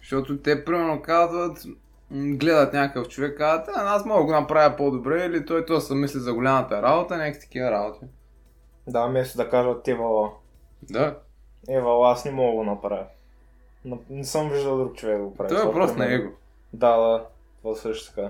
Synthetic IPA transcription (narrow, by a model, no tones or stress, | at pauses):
ʃt̪ot̪ʊt̪ɛpɾimɛɾnokazvɐt̪ | ɡlɛd̪ət̪nʲakəkəft͡ʃovɛkːazət̪ɛnasmɔɡəɡonɐpɾavʲjɐpod̪obɾɛilit̪ɔjt̪osɐmislizɐɡolʲamɐt̪ɐɾabot̪ənʲɛkt̪ɐ̥kʲivɐɾabot̪i | d̪amɛst̪ʊd̪ɐkaʒət̪ɛvɐlˠa | d̪a | ɛvɐlˠaasnɛmɔɡəɡonɐpɾavʲɐ | nonɛsəmviʒd̪ɐlˠd̪ɾuk̚t͡ʃovɛɡ̚d̪ɡoppɾavit̪ɔɛpɾɔst̪onɐɛɡo | d̪ad̪a | vɐsɤʃt̪ʊ̥t̪ka